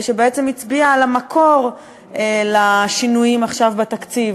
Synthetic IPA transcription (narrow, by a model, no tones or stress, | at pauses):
ʃebeet͡semit͡sbiaːlamakʰo̞ʁ | laʃinujimaχʃavbat̪akt͡siv